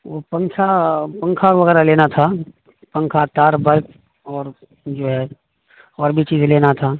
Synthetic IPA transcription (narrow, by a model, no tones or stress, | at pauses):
ʋopɐ̃ŋkʰapɐ̃ŋkʰaʋɐɣɛːɾaleːnat̪ʰa | pɐ̃ŋkʰat̪aːɾbɐɾk | ɔːɾ | d͡ʒoːɦɛ | ɔːɾbʱit͡ʃiːzleːnat̪ʰaː